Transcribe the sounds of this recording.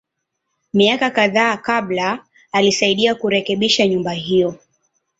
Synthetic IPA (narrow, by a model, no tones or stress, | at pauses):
miakakaðaːkaɓlaː | lisaiɗiakuɾɛkɛɓiʃaɲumbaɦijɔ